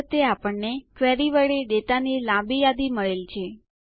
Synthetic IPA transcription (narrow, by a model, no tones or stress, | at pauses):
t̪eapəɳnekʋɛɾiʋəɭeɖet̪anilãbijad̪iməɭelt͡ʃʰe